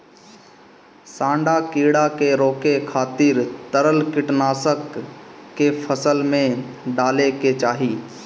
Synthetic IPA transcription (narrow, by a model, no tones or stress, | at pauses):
sãːɳɖakiːɽakeɾoːkekʰaːt̪iɾt̪əɾəlkɪʈnaːsəkː | epʰəsəlmẽɖaːleket͡ʃaːɦiː